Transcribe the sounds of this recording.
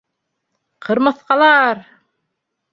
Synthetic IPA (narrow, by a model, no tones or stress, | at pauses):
qʰɤ̆ɾmɤ̆θqɑlˠɑɾ